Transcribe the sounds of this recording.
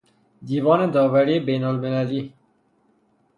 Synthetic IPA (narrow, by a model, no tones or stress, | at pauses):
d̪iːvɔːned̪ɒːvæɾiːebeːnolmelæliː